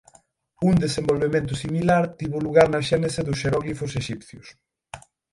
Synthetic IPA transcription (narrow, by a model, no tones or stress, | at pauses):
uŋd̪esembolβemẽnt̪ʊsimilaɾt̪iβʊluɣaɾnɐʃɛneseðʊseɾɔɣlifʊseʃipθjʊ̰s